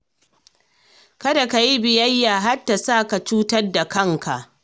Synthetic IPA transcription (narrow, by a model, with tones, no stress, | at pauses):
kɐ˦da˨ka˨ji˦bɪ˨jɐ˦jːaː˨ɦa˦tːa˨saː˦˨ka˨t͡ʃuː˦tɐ˦rda˨kɐ˦ŋka̰˨ʔ